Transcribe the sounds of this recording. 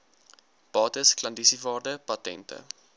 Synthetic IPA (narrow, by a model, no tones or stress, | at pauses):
b̥ɑːtəsklɐndisivɑːrdəpɐtɛ̰ntə̰